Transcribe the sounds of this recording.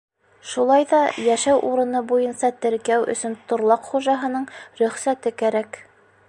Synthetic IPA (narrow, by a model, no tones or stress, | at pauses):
ʃulˠɑjðɑjæʃæwʔuɾɤ̆nɤbujɤnsɑt̪ɘ̆ɾkæwʔɵ̰̆sɵnt̪ŏɾlˠɑqχuʒɑɦɤ̆nɤɴɾɵ̆χsæt̪ɘkæɾæk